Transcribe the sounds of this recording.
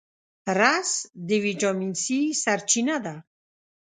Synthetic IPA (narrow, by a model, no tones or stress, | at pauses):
rasd̪ivid͡ʒɔminsisaɾt͡ʃʰinad̪a